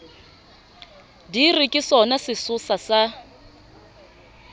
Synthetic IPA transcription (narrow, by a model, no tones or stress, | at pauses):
dirɪkʼɪsɔnasɪsʊsasa